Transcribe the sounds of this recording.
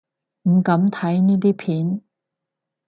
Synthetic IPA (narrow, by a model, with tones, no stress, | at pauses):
m̩˨˩kɐ˨˥mt̪ʰɐ˨˥jniː˥t̪̬iː˥pʰiː˨˥n